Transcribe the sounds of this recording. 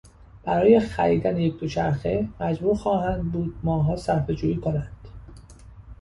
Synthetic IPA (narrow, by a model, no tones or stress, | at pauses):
b̥æɾɒːje̞xæɾiːd̪ænjecd̪o̞t͡ʃʰæɾxe̞mæd͡ʒbuːɾxɒːɦænd̪̚buːd̪̥̚mɒːɦɒːsæɾfe̞d͡ʒuːjiːkʰonænd̪̥